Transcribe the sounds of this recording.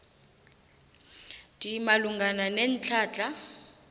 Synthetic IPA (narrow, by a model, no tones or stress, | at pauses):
tʼiimaluŋɡʱananent͡ɬʰaːt͡ɬʼa